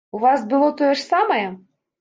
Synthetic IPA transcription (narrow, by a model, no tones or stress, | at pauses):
uvɑsbɨlˠot̪ojəʂsɑməjɛ